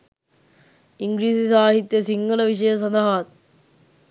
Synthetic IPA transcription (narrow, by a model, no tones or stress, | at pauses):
iŋɡɾiːsisaːɦit̪jɐsiŋɡɐɭɐʋiʂɐjɐs̬ɐd̪ɐɦaːt̪̚